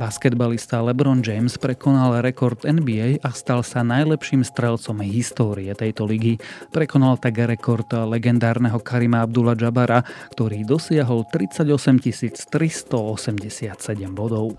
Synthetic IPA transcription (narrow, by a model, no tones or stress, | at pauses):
baskɛd̪balist̪alɛbɾɔnd͡ʒɛjmspɾɛkɔnalɾɛkɔɾt̪ɛnbiɛjʔast̪alsanajlɛpʃiːmst̪ɾɛlt͡sɔmɦist̪ɔːɾiɛt̪ɛjt̪ɔliɡipɾɛkɔnalt̪aɡɾɛkɔɾt̪lɛɡɛnd̪aːɾnɛɦɔkaɾimaabd̪ulad͡ʒabaɾakt̪ɔɾiːd̪ɔsɪaɦɔlt̪ɾit͡saɟɔsɛmcisiːt͡st̪ɾist̪ɔɔsɛmɟɛsɪat̪sɛɟɛmbɔd̪ɔʊ